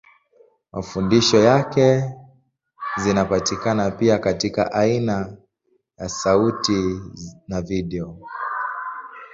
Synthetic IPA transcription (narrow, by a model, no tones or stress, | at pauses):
mʔafundiʃɔjakɛ | zinapatikanapiakatika̰ʔaina | jasautinaviɗɛɔ